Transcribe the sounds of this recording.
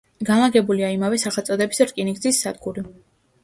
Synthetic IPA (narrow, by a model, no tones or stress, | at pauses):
ɡanlˠaɡɛbuliaimavɛsaχɛlˠt̪ʼɔd̪ɛbisɾkʼiniɡzisːad̪ɡuɾi